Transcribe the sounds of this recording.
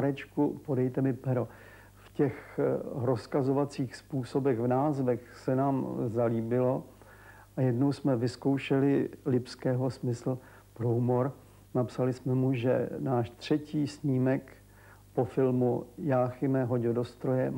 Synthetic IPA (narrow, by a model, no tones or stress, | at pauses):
ɾɛt͡ʃkupo̞dɛjt̪ɛmɪpɛɾo | fcɛxɾoskazovat͡siːxspuːso̞bɛɣvnaːzvɛxsɛnaːmzaliːbɪlo̞ | ʔajɛdno̞wsmɛvɪsko̞wʃɛlɪlɪpskɛːɦo̞smɪsl̩ | pɾoumoɾ | napsalɪsmɛmuʒɛ̰naːʃt̪r̝̥ɛciːsɲiːmɛk | po̞fɪlmujaːxɪmɛɦoɟɲɛdo̞st̪ɾo̞jɛ